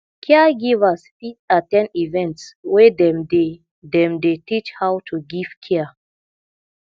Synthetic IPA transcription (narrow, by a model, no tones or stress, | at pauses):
kʰɛɡivaspitatɛ̃nivɛ̃ntswɛdɛmde | dɛ̃mdetit͡ʃhawtʰuɡiv̥kʰɛə